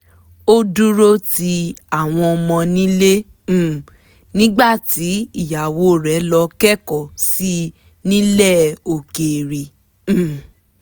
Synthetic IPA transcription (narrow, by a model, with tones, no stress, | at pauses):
o˦du˦ɾo˦ti˧˦a˦˨w̃ɔ̃˧ɔ˧mɔ̃˧nĩ˦lẽ˦˨ | nĩ˦ɡ͡ba˦˨ti˨˦i˦˨ja˨wo˨˦˨ɾɛ˨˦lɔ˧kɛ˦kɔ˨si˦ | nĩ˦lɛ˦˨o˨ke˨ɾĩ˨˦˨